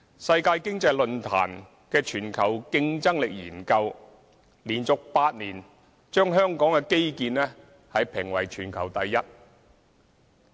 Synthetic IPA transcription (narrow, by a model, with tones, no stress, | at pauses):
sɐ˧jkaː˧jkɪ˥ŋt͡sɐ˧jlɵ˧nt̪ʰa̰ː˨˩n | kɛː˧t͡ʃʰyː˨˩nkʰɐ˨˩wkɪ˧ŋt͡sɐ˥ŋlɪ˨k̚jḭː˨˩nkɐ˧w | liː˨˩nt͡sʊ˨k̚paː˧t̚niː˨˩n | t͡ʃœː˥ŋɦœː˥ŋkɔː˨˥ŋkɛː˧ke˥jkiː˧nlɛː˥ | hɐ˨jpʰɪ˨˩ŋwɐ̰˨˩jt͡ʃʰyː˨˩nkʰɐ˨˩wt̪ɐ˨˧jːɐ˥t̚